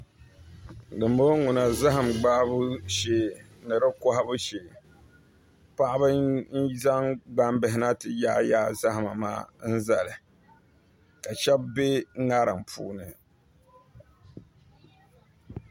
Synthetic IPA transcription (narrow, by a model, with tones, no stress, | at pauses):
dɨ˨mbo˦ŋu˨na˨za˦ɦa˨mɡ͡ba˦ʔbʊ˦ʃe˨ | nɨ˨ɾɨ˦kɔ˦ɦa˦bʊ˦ʃe˨ | pa˦ʔa˦bɨ˦n̩˦za˦ŋɡ͡ba˦m˦bɨ˨ɦɪ˨na˦tɨ˨jaː˦jaː˦za˦ha˨ma̰˨ma̰ː˦n̩˦za˨lɨ˨ | ka˨ʃɛ˦bbe˦ŋa˦ɾɨ˨ŋpʰṵː˦nɨ˨